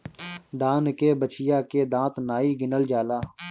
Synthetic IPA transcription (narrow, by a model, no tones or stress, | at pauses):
d̪aːnkeːbət͡ʃɪjaːkeːd̪ãːt̪naːiːɡɪnəld͡ʒaːlaː